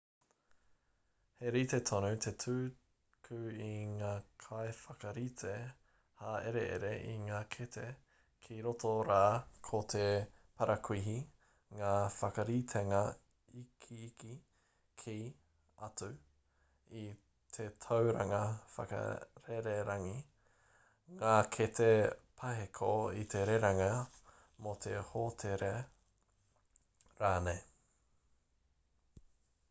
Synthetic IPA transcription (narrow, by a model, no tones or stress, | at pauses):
heɾit̪et̪ʰonut̪ʰetʰʉː | kʰʉiŋaːkʰaefɐkɐɾit̪ʰe | haeɾḛʔḛɾeʔiŋaːkʰet̪ʰe | kʰiɾotʰoɾaːkʰot̪ʰepɐɾʔɐkʰwiɦi | ŋaːfɐkɐɾit̪ʰeŋɐ | ikʰiːki | kʰi | ɐtʉ | i | t̪ʰet̪ʰɐwɾɐŋɐfɐ̰kɐ̰ɾeɾeɾɐŋi | ŋaːkʰet̪ʰepʰɐɦekʰoit̪ʰeɾeɾɐŋɐ | mot̪ʰehotʰeɾe | ɾaːnej